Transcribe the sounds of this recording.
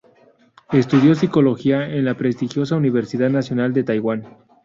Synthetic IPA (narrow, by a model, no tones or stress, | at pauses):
e̞st̪uðjo̞s̬iko̞lo̞xiaenlapɾe̞st̪ixjo̞s̬auniβ̞eɾsiðaðnasjonald̪e̞t̪ajɣwan